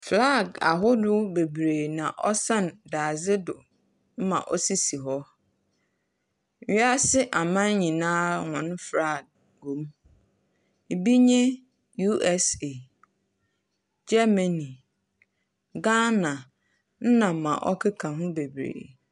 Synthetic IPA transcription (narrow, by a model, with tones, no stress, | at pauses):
fla˦˨ɡa̰˨ɦʊ˦dʊ˦be˨bɾeː˨nã˨ʔɔ˦sã˦˨n˨daː˨zɪ˦dʊ̰˨ | m̩˦mã̰˨ʔɔ˦si˦si˨ɦɔ˦˨˦ | a˦sɪ˦ʔa˨mã˦n˦ɲĩ˨nãː˦ŋɔ̃˨n˦fɾa˦˨ɡ̚ | ɡo˨˦m˨ | bi˦ɲẽ˦ | ju˦ʔɛ˦se˨ | d͡ʑɛ˦ma˨nĩ˨ | ɡa˦nã˨ | n̩˦nã˨mã̰˨ʔɔ̰˦kʰɪ˦kʰã˨ɦʊ̃˦be˨bɾḛː˨